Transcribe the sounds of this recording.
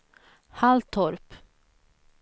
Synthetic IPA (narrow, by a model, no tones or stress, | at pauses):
halt̪ʰɔɾp